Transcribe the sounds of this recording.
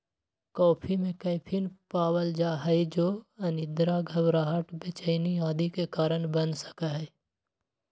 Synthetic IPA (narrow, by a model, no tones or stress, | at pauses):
kɔːpʰimẽkəɪpʰinpaːwəld͡ʒaːɦəid͡ʒoːɐnɪd̪ɾaɡʱəbɾaːɦəʈbet͡ʃəɪniaːd̪ikekaːɾənbənsə̥kaɦɛː